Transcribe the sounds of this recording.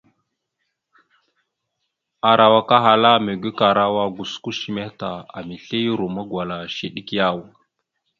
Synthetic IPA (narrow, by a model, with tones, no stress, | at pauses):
a˨ɾa˨wa˨ka˦ɦa˨la˦me˨ɡʷi˦ka˨ɾa˦wa˦ɡu˨sku˦ʃi˨me˦ta˨a̰˨mi˨ɬe˦jɾo˨ma˦ɡwa˨la˨ʃi˨ɗi˦kja˦˨w